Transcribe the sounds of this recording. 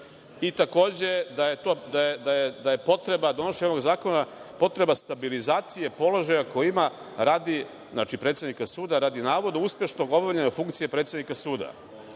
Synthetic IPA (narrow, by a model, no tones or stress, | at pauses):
it̪ako̞ːd͡ʑe̞d̪ajet̪oːd̪ajed̪ajed̪aje̞po̞t̪ɾe̞bad̪o̞noʃeɲonoɡzaːko̞napo̞t̪ɾe̞bast̪abilizaːt̪sije̞po̞lo̞ʒajako̞jima | ɾaːd̪i | zna̰ːt͡ʃipɾe̞t̪sjed̪nikasuːd̪aɾaːd̪inaːʋo̞d̪uuspʲje̞ʃno̞ɡo̞baʎeɲafuŋkt̪sije̞pɾet̪sed̪nikasuːd̪a̰